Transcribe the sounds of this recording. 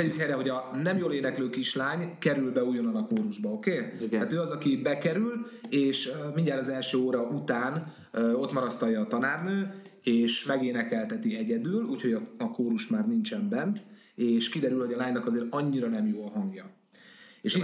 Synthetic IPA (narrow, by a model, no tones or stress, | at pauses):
ɛjykɦɛjɾɛɦo̞ɟɒnɛmjoːleːnɛkløːkiʃlaːɲkɛɾylbɛujonɒnɒkoːɾuʒbɒo̞keːt̪aːt̪øːɒzɒkibɛkɛɾyleːʃminjaːlɒzɛlʃøːoːɾɒʔut̪aːn | o̞t̪mɒɾɒst̪ɒjɒːt̪ɒnaːrnøːeːʃmɛɡeːnɛkɛlt̪ɛt̪iɛɟɛd̪yːluːcho̞ɟɒɒkoːɾuʃmaːrnint͡ʃɛmbɛnt̪ | eːʃkid̪ɛɾylho̞ɟɒlaːɲnɒkɒzeːɾɒɲːiɾɒnɛmjoːlɦɒŋɡjɒ | eːʃi